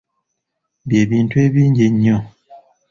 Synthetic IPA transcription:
bjebin̩twebiɲd͡ʒeɲɔ̃

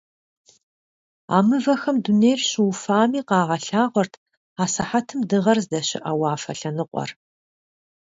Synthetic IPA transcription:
a̰ːmɨvɐxɐmdunejrɕɪwfaːmiːqɑːʁɐɬaːʁʷɔrtʰ | aːsɐħatʰɨmdɨʁɐrzdɐɕɪ̰ʔɐwaːfɐɬɐnɨqʷʼɔ̰r

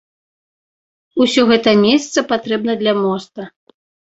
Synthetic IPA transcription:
usʲɔɣɛt̪ɐmʲesʲɐt̪sɐpat̪ɾɛb̚nɐd̪lʲɐmɔst̪ɐ

